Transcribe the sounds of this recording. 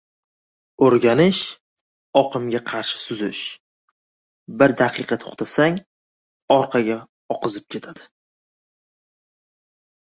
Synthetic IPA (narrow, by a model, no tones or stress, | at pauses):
oɾɡʲanɪʃ | ɒqɨmɡʲaqʰɑɾʃɪ̥sʊzɪʃ | bɪɾd̪aqʰɨqʰɑt̪ʰo̥̰χt̪ʰasaŋ | ɒɾqʰɑɡʲa | ɒqɨzɪp̚kʲʰe̞t̪ʰad̪̥ɪ